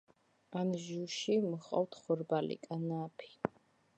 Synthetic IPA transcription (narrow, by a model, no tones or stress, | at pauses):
anʒuʃimχʼɔ̰ft̪ʰχɔɾbalḭkʼanapʰi̥